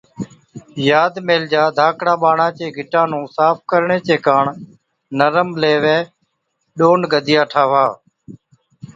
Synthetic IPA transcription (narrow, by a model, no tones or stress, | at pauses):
jaːd̪meːld͡ʒaːd̪ʱaːkɽãːɓaːɳãːt͡ʃeːɡʱɪʈãːnũːsaːp̚ʰkəɾɳeːt͡ʃeːkaːɳ | nəɾəmleːʋeː | ɗoːnɡʱəd̪ʱɪjaːʈʰaːʋaː